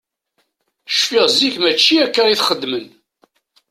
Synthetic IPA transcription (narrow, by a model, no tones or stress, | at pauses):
ʃfiʁziçmæt͡ʃːiækːæʁiθχəd̪ːmən